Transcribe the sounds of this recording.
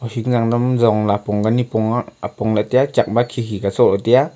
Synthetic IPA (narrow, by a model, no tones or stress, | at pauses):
ɔhiŋ̚zaŋdɔmzɔŋlapɔŋɡanipɔŋaapɔŋlat̪ijat͡ʃak̚makʰikikat͡sɔlɔt̪ija